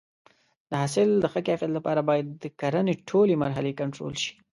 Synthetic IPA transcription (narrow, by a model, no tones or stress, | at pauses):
d̪̥əɦasɪld̪əxəkɑfjat̪lapɑɾabɑjad̪ːəkaɾəneʈʰolemaɾɦalekaɳʈɾo̰lʃi̥